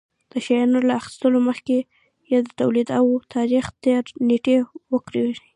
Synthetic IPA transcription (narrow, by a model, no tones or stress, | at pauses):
d̪̥əʃajɑnolaaxɪ̥st̪əloməxke | jɑd̪ət̪awlid̪awt̪ʰɑɾixt̪eɾneʈewəkɾeʒi